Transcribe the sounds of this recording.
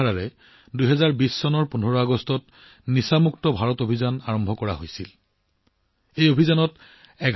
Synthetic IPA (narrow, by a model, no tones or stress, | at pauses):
aɹaɹɛ | dujɦɛzaɹbisːɔnɔɹpunɔɹɔaɡɔstɔt | nisamuktɔbʱaɹɔtobʱizanaɹɔmbʱɔkɔɹa̰ɦojsil | ejobʱizanɔt | ɛɡ